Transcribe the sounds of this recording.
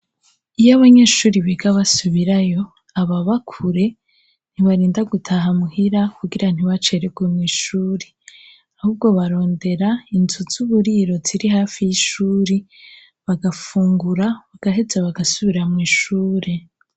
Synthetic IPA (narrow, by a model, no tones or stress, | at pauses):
ijaβaɲe̞ːʃuːɾiβeɡaβasuβiɾajo̞ | aβaβakʰuɾe̞ | n̥iβaɾiːndaɡutʰaɦamuhiɾakʰuɡiɾan̥iβat͡ʃe̞ːɾeɡwemŋiːʃuːɾi | ahuːbɡo̞βaɾo̞ːnde̞ɾainzuz̥uβuɾiːɾo̞ziɾihaːfijiʃuːɾi | βaɡafuːŋɡuɾaβaɡ̥aɦe̞d͡zaβaɡasuβiɾamŋiːʃuːɾe̞